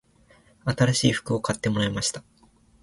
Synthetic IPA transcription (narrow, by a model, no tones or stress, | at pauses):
at̪aɾaɕiːɸɯ̥kɯo̞kʰat̪ːe̞mo̞ɾaemaɕi̥t̪ḁ